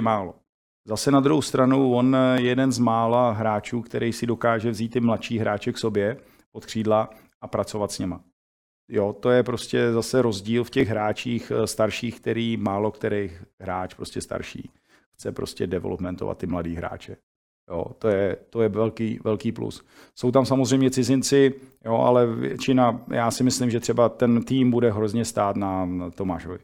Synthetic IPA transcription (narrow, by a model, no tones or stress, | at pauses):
maːlo̞ | zasɛnad̪ɾuɦowst̪ɾanuvo̞njɛdɛnzmaːlaɦɾaːt͡ʃuːkt̪ɛɾʔɛjsɪdo̞kaːʒɛvziːt̪ːɪmlat̪ʃiːɦɾʔaːt͡ʃɛkso̞bjɛ | pot̪kr̝̥iːdla | ʔapɾat͡so̞vat̪sɲɛma | jo̞t̪o̞jɛpɾo̞scɛzasɛɾo̞zɟiːlfcɛɣɦɾaːt͡ʃiːxst̪aɾʃiːxk̚t̪ɛɾiːmaːlo̞kt̪ɛɾɛjxɦɾaːt͡ʃpɾo̞scɛst̪a̰ɾʃḭː | xt͡sɛpɾoscɛdɛvɛ̰lopmɛnt̪ova̰t̪ːɪmladiːɦɾa̰ːt͡ʃɛ | jo̰ːt̪ojɛt̪o̞jɛvɛlkiːvɛlkiːplṵs | sowt̪amsamozr̝ɛjmɲɛt͡sɪzɪnt͡sɪjoʔa̰lɛvjɛ̰t͡ʃɪnajaːsɪmɪslɪmʒɛt̪r̝̥ɛbat̪ɛnt̪iːmbudɛɦɾozɲɛst̪aːt̪nat̪o̞maːʃovɪ̰